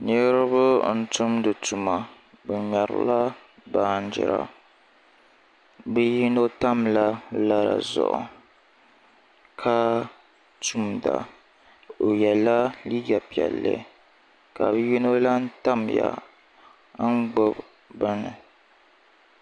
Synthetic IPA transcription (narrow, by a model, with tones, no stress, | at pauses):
nɛ˦ɡɾɨ˦bʊ˦n̩˦tu˦mdɨ˨tu˨ma˨ | bɨ˨ɲa˨ɾ̰la˦ | baː˦n̩˦d͡ʒɪ̰˦ɾa̰˨ | bɨ˦ji˦no˦ta˦mla˦la˦ɾa̰˨zʊ̰˨ʔʊ̰˨ | kʰa˦ | tu˦mda̰˨ | o˨jɛ˨la˦li˦ja˨pi˨ɛ̰˨lːɨ̰˨ | ka˨bji˦no˦la˦n̩˦ta˦mja̰˨˦ | ɡ͡bo˦b | bɨ˦nɨ˨